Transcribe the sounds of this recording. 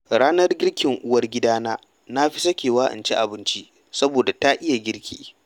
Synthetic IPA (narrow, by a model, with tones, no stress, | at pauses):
ɽaː˦nɐ˦rɡʲɪ˦rkʲɪ˨ŋʔʊ˦wɐ˦rɡʲɪ˦daː˦naː˦ | na˦ɸi˦sɐ˦kʲeː˨waː˦ʔɪ̰˨nt͡ʃi˦ʔa˨bɪ˦nt͡ʃi˦ | sɐ˦boː˨da˨ta˦ʔɪ˦ja˨ɡʲɪ˦ɽkʲḭː˨